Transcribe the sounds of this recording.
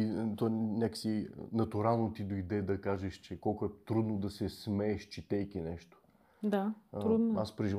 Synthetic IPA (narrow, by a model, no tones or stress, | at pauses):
t̪ovanʲakə̥sinɐt̪uɾalˠnot̪id̪oid̪ɛd̪ɐkaʒɛʃt͡ʃɛkɔlˠkʊɛt̪ɾud̪nod̪ɐsɛsmɛːʃt͡ʃɛt̪ɛjkinɛʃt̪o̥ | d̪aɾud̪aspɾɛʒiv